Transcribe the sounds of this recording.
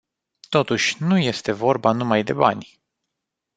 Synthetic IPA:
t̪o̞t̪uʃʲnuje̞st̪e̞vo̞rbanumajd̪e̞̰ba̰nʲ

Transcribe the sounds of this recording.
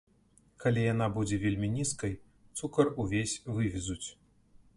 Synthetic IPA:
kalʲijanabud͡zʲɛvʲelʲmʲinʲiskɐj | t̪sukɐruvʲesʲvɨvʲizut͡sʲ

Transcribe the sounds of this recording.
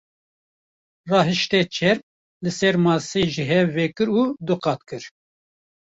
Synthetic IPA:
rɑːɦɨʃt̪ɛt͡ʃʰɛɾp̚ | lɨsɛɾmɑːseːʒiɦɛvɛkɨɾuːd̪ɨqɑːt̪kɨɾ

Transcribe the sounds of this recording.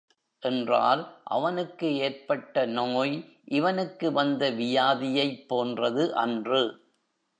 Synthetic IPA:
ʔɛndra̰ːlʔɐ̰ʋɐnɯkːɯeːrpɐʈːɐnoːj | ʔɪʋɐnɯkːɯʋɐnd̪ɐʋɪjaːðɪjɐɪpːoːndrɐðɯʔɐ̰ndrɯ

